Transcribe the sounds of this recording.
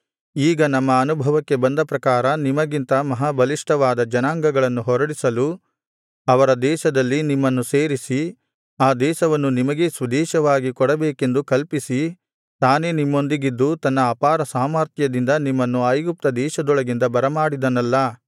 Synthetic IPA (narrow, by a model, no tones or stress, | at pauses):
iːɡɐnɐmːɐːnubʱɐʋɐkːe̞bɐnd̪ɐpɾɐkaːɾɐnimɐɡint̪ɐmɐɦabʱɐliʂʈɐʋaːd̪ɐd͡ʒɐnaːŋɡɐɡɐɭɐnːuɦɔɾɐɽisɐlu | ɐʋɐɾɐd̪ɛːʃɐd̪ɐlːinimːɐnːuseːɾisi | aːd̪ɛːʃɐʋɐnːunimɐɡe̞sʋɐd̪ɛːʃɐʋaːɡikɔɽɐbeːke̞nd̪ukɐlpisi | t̪aːne̞nimːo̞nd̪iɡid̪ːut̪ɐnːɐːpaːɾɐsaːmɐɾt̪ʰjɐd̪ind̪ɐnimːɐnːuɐjɡup̚t̪ɐd̪ɛːʃɐd̪ɔɭɐɡind̪ɐbɐɾɐmaːɽid̪ɐnɐlːɐ